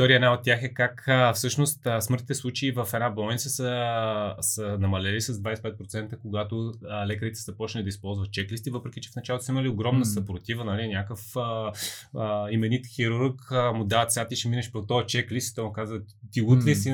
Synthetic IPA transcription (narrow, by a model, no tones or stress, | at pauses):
t̪ɔɾiəɛnaot̪̚t̪ːʲjaxɛkakfsɤʃnost̪əsmɤɾt̪it̪ɛslˠut͡ʃɛivəfɛd̪nablˠɔnʲtsəsə | sənɐmɐlɛlisəzd̪vajsɛpɛt̪̚pɾot̪sɛnt̪əkoɡat̪olɛkəɾit̪ɛ̥səpɔt͡ʃnəlʲid̪əispɔlˠzvət̪̚t͡ʃɛklist̪ivɤpɾɛkit͡ʃɛ̥fnɐt͡ʃalˠot̪osiməlioɡɾɔmnəsɐpɾot̪ivənɐlinʲakəfə | əimɛnit̪xiɾuɾkəmʊd̪aət̪sʲat̪iʃɛminɛʃpɾot̪ɔɛt͡ʃɛklist̪i̥t̪ɔjmukazvə | t̪iut̪lisi